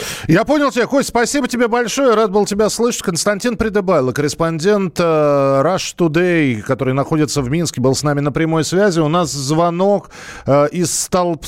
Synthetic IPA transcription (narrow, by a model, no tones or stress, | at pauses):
japo̞nʲɪlˠtʲɪbʲeakospɐsʲibətʲɪbʲebɐlʲʂo̞jəɾad̪̚bɨlˠtʲɪbʲaslˠɨʂə̥tʲkənst̪ɐnʲtʲinpɾʲɪd̪ɨbajlˠəkəɾʲɪspɐnʲdʲe̞nt̪əɾaʂt̪ʊd̪ejkɐt̪o̞ɾɨjnɐxo̞dʲɪt̪səvmʲinskʲɪbɨlˠsnamʲɪnəpɾʲɪmo̞jsvʲæzʲɪʊnaszvɐno̞k | əʔɪsːt̪ɐlˠp